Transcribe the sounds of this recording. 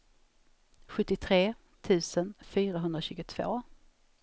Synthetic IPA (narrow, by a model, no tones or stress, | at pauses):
ɧɵt̪ːɪt̪ʰɾeː | t̪ʰʉ̟ːsənfyːɾaɦɵnd̪ɾaɕʉ̟ːɡʊt̪ʰv̥o̰ː